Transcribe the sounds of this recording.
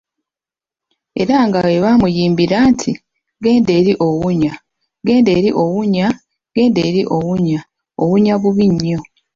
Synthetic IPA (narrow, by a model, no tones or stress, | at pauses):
e̞̰ɾaŋɡaweβaːmujiːmbiɾaːntʰi | ɡe̞ːnde̞ːɾiʔowuɲa | ɡe̞ːndeːɾiʔo̞wuɲa | ɡ̥e̞ːndeːɾiʔo̞wuɲa | owuɲaβuβiɲːo̞